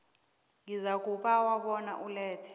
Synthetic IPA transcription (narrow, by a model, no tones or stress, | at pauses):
ŋizak̬ʼuɓawaɓɔna̰ʔulɛːtʰɛ̥